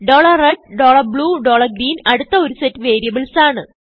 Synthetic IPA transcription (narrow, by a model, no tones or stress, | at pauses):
ɖoːɭɐreɖ̚ɖoːɭɐrbɭuːɖo̞ːɭɐrɡɾiːnɐɽut̪ːɐo̞ɾusetːɨʋe̞ːɾijɐbɨlsaːɳɨ